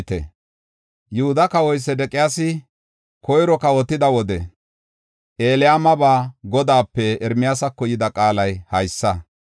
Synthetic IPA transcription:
t̪ɛ̰ | jʊhʊd̪ɐkɐwɔjsːɛd̪ɛkʼɪjaːsɪ | kɔjɾɔkɐwɔt̪ːɪd̪ɐwɔd̪ɛ | ʔe̞ːlɪjaːmɐbaːɡɔd̪aːpːɛɛɾmɪjaːsɐkːɔjɪd̪ɐkʼaːlɐjhɐjsːɐ

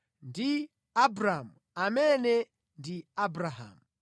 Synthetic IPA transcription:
ndi | abɾamu | amɛnɛ | ndiabɾaɦa̰mu

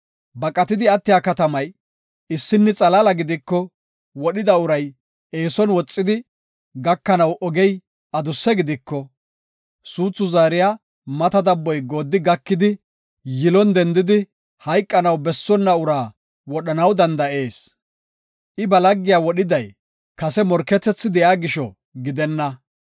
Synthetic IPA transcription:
bɐkʼɐt̪ɪd̪ɪɐt̪ːɪjaːkɐt̪ɐmɐj | ɪsːɪnːɛt͡sʼɐlɐlɐɡɪd̪ɪkːɔ | wɔɗɪd̪ɐʊɾɐj | e̞ːsɔnwɔt͡sʼːɪd̪ɪ | ɡɐkːɐnɐwʔɔɡɛj | ɐd̪ʊsːɛɡɪd̪ɪkːɔ | suːt͡sːʊzaːɾɪjaː | mɐt̪ɐd̪ɐbːɔjɡo̞ːd̪ːɪɡɐkːɪd̪ɪ | jɪlɔnd̪ɛnd̪ɪd̪ɪ | hɐjkʼːɐnɐwbɛsːɔnːɐʊɾaː | wɔɗɐnɐwd̪ɐnd̪ɐʔe̞ːs | ʔɪbɐlɐɡːɪjaːwɔɗɪd̪ɐj | kɐsɛmɔɾkːɛt͡sːɛt͡sːɪd̪ɛjaːɡɪʃɔ | ɡɪd̪ɛnːɐ

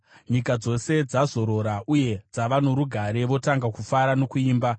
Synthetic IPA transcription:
ɲikad͡zo̞se̞d͡zazo̞ɾo̞ɾauje̞d͡zaʋano̞ɾuɡʱaɾe̞ʋo̞taŋɡakufaɾano̞kuiːmba

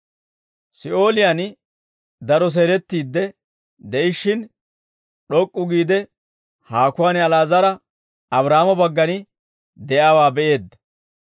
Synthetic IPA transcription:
sɪʔo̞ːlɪjan | d̪ɐɾɔs̬eːɾɛt̪ːiːd̪ːɛ | d̪ɛʔɪʃːɪn | ɗɔkʼːʊɡiːd̪ɛ | haːkʊaːnɪɐlaːzɐɾɐ | ɐbɾaːmɔbɐɡːɐnɪ | d̪ɛjaːwaːbɛʔe̞ːd̪ːɐ̥

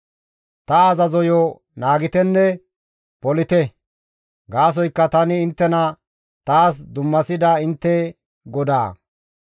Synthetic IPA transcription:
t̪ɐɐzɐzɔjɔ | naːɡɪt̪ɛnːɛ | pɔlɪt̪ɛ | ɡaːs̬ɔjkːɐt̪ɐnɪːnt̪ːɛnɐ | t̪aːs̬d̪ʊmːɐsɪd̪ɐɪnt̪ːɛ | ɡɔd̪a̰ː

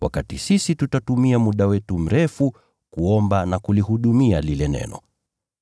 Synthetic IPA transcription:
wa̰katisisitutatumiamuɗawɛtum̩ɾɛfu | kuɔmbanakulihuɗumialilɛnɛ̰nɔ

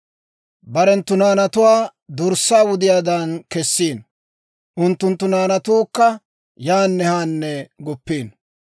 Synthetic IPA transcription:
bɐɾɛnt̪ːʊnaːnɐt̪ʊwaːd̪ʊɾsːaːwʊd̪ɪjaːd̪ɐnkɛsːiːn | ʔʊnt̪ːʊnt̪ːʊnaːnɐt̪uːkːɐ | jaːnːɛhaːnːɛɡɔpːiːn

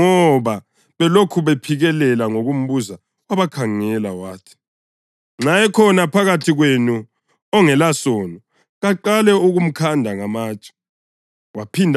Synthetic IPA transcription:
ŋɔβa | βɛlokʰuβɛpʰiɣɛlɛlaŋoɣum̩βuza | waβakʰaŋɛlawaːtʰi̥ | ŋ͡ǁajɛkʰɔnapʰaɣatʰiɣwenu | ɔŋɛlasɔnɔ | ɣaǃalɛuɣum̩kʰandʱaŋamaːt͡ʃʼ | wapʰindʱ

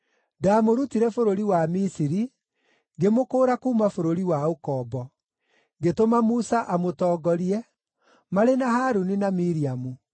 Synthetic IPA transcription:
daːmoɾutiɾɛfoɾoɾiwamisiɾi | ŋɡemokoːɾakuːmafoɾoɾiwaokɔːbɔ | ŋɡetomamusaʔamotɔːɡɔɾiɛ | maɾenahaːɾuninamiɾiamu

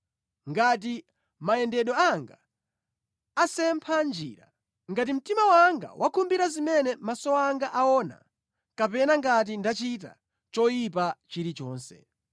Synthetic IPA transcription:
ŋɡat̬i | maɛndɛɗɔaŋɡa | asɛmpʰand͡ʒḭːɾa̰ | ŋɡat̬im̩timawaŋɡa̰wʔakʰumbiɾazimɛnɛmasɔaŋɡaʔaɔna̰ | kapɛnaŋɡat̬indat͡ʃit̬a̰ | t͡ʃɔjip̬at͡ʃiɾit͡ʃɔːnsɛ̰

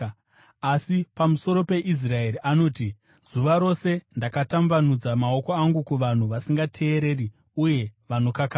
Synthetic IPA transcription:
asipamuso̞ɾo̞pe̞ʔis̬rae̞riʔano̞ːti | z̥uʋaɾo̞se̞ndakatambanud͡zamao̞ko̞aŋɡukuʋan̤uʋasiŋɡatʰe̞ːɾe̞ːri | uje̞ʋano̞kaka

